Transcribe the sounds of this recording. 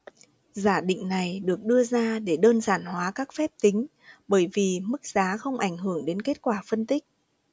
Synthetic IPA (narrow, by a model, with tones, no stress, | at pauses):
zaː˧˩ɗḭ˧˨ŋ̟na˨˩jɗɨ˨˩ək̚ɗɨ˧əzaː˧ɗe˧˩ɗəː˧nzaː˧˩nhwaː˨˦kaː˦˥k̚fɛ˦˥p̚t̪ï˨˦ŋ̟ | ɓəː˧˩jvi˨˩mɨ˦˥k̚z̥aː˨˦xə˧wŋ͡mʔa˧˩jŋ̟ɦɨ˧˩əŋɗe˨˦nke˦˥t̚kwaː˧˩fə˧nt̪ï˦˥k̚